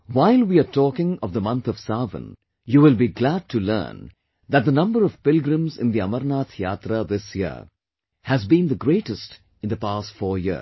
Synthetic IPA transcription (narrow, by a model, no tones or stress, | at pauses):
waɪlˠwiatɔːkɪ̃ŋɔvðəmʌ̃nt̪ʰɔv̥savə̰̃n | juːwɪlˠbiɡlæd̚ʈʰulə̰̃ːn | d̪æt̚d̪ənʌ̃mbəɾɔv̥pɪlɡɾə̃mzɪ̰̃nd̪iʌməɾnaːt̪ʰja̰ːt̪ɾəðɪsjə̰ | hæzbĩnd̪əɡɾeːʈəsʈ | ɪ̃nd̪əpaːstfɔːjḭ